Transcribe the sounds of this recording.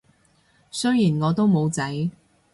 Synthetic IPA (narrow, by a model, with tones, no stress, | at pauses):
sɵ˥jjiː˨˩nŋɔː˨˧t̪o˥wmo˨˧wt͡sɐ˨˥j